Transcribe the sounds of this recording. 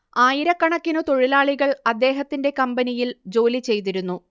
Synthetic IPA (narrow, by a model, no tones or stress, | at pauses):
aːjiɾɐkːɐɳɐkːinɨt̪o̞ɻilaːɭiɣɐɭɐd̪ːe̞ːɦɐt̪ːinde̞kɐmbɐnijild͡ʑo̞ːlit͡ɕe̞jt̪iɾunːu